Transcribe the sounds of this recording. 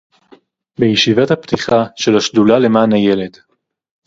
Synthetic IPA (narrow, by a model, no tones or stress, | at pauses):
bejeʃivathapt̪iχaʃe̞laʃdulale̞maːnhaje̞le̞d